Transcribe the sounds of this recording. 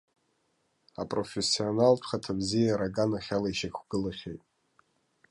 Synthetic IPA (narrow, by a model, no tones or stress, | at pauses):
apʼro̞fesːio̞naltʷʰχatʰabzijaɾaɡanaχʲalaiʃakʲʷʰɡ̥ɨlaχʲejtʼ